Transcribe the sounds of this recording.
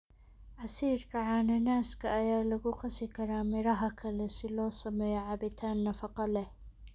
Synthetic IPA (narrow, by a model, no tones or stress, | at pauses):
ʔɐsiːɾkʰɐʕanɐnaːskʰɐʔːjaːlɐɣʊqɑsɪkʰɐɾaːmɪɾɐɦɐkʰɐlɛsɪlɔːsɐmɛjɔʕabɪt̪ʰaːnːɐfɑqɑlɛh